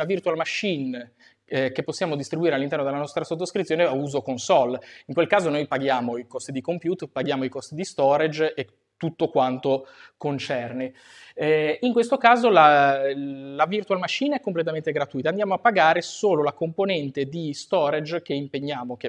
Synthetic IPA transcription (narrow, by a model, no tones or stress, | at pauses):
avirt̪ualmaʃːin | kepːosːjaːmod̪ist̪ɾibuiːɾealːint̪ɛrnod̪elanɔst̪ɾasot̪ːoskɾit̪sjoːneauːzokonsɔliŋkwelkaːzonojpaɡjaːmoikɔst̪id̪ikompjuːt̪paɡjaːmoikɔst̪id̪ist̪ɔɾed͡ʒe | t̪ːut̪ːokwant̪okont͡ʃɛrne | iŋkwest̪okaːzola | lavirt̪ualmaʃːinɛkːomplet̪ament̪eɡɾat̪ujt̪aːnd̪jaːmoapːaɡaːɾesoːlolakomponɛnt̪ed̪ist̪ɔɾed͡ʒk̟eimpeɲːaːmoke